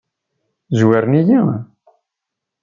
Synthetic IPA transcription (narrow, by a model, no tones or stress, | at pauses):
zwæɾniji